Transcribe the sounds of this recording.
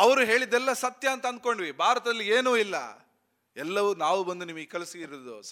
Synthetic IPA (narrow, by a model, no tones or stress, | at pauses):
ɐʋɐɾuɦe̞ːɭid̪ɛlːɐsɐt̪jɐɐnt̪ɐnd̪̚ko̞ɳɖʋibʱaːɾɐt̪ɐd̪ɐlːieːnuːilːɐ̰ | ɛlːɐʋunaːʋubɐnd̪unimɐɡekɛlɐsiɡiɾɐd̪u